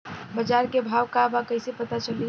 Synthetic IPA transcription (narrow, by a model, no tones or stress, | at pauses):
bəd͡ʒaɾkebʱaʋkabakəɪsepət̪at͡ʃəli